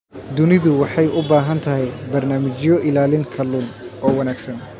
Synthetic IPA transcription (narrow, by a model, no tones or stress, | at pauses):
d̪ʊnɪðʊwɑħɑjʊbaːɦɐnt̪ʰɐɦɛjbɐrnaːmɪt͡ʃjɔʔɪlaːlɪŋkʰɐlʊnʔɔːwɐnaːɡsɐn